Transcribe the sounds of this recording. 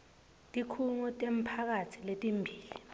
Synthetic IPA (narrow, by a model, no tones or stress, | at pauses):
tʼikʰuŋutʼem̩pʰak̬atʰiletʼimbʱiːli